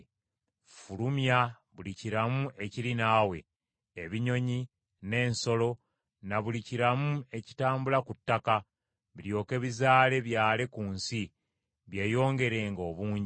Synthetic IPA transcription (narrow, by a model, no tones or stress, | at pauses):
fulumja | βuliciɾamuʔe̞cilinaːwe̞̰ː | βiɲo̞ɲi | ne̞ːnso̞lo̞ | naβuliciɾamue̞ci̥taːmbulakutːaka | βiɾjo̞ːke̞βizaːle̞βjaːle̞kuːnsi | βje̞ːjo̞ːŋɡe̞ɾe̞ːŋɡo̞ːβuːɲɟi